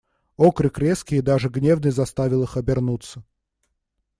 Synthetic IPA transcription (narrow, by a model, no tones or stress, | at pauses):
okɾɨkɾʲeskʲɪjəd̪aʐɨɡnʲe̞vnɨjzɐst̪avʲɪlˠɨxɐbʲɪrnut̪sə